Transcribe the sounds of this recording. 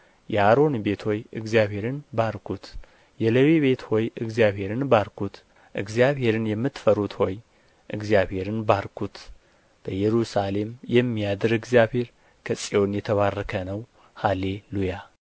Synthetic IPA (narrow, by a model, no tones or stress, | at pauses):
jʔɛhaɾo̞nbe̞t̪ʰho̞jɨɡzijaβhe̞ɾɨnbaɾkʰut̪ | jɛləβiβe̞t̪ho̞jɨɡzjaβhe̞ɾɨnbaɾkʰut̪ | ʔɨɡzjaβhe̞ɾɨnjɛmːɨt̪ːfəɾut̪ho̞j | ʔɨɡzijaβhe̞ɾɨnbaɾkʰut̪ | b̥əjɛɾusale̞mjɛmːijad̪ɨɾɨɡzijaβhe̞ɾ | kʰəsʼio̞njɛt̪ʰəβarːəkʰənəw | hale̞luja